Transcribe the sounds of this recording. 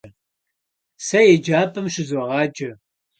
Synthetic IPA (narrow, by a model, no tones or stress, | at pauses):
sɐjɛd͡ʒaːpʰʼɨmʃɪzɔʁɑːd͡ʒɐ